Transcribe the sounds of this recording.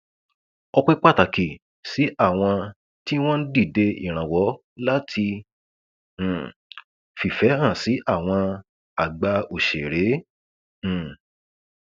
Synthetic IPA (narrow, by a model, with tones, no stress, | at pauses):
ɔ˧k͡pe˦k͡pa˦˨ta˨ki˨ | si˨˦ʔa˦˨w̃ɔ̃˧ | ti˦w̃ɔ̃˦n̩˦di˦˨de˧ḭ˦˨ɾ̃ã˨wɔ˨˦ | la˦tʰi˧˨ | fi˨fɛ˨˦hã˦˨si˨˦ʔa˦˨w̃ɔ̃˧ | a˨ɡ͡ba˧o˨ʃe˨ɾẽ˨˦˨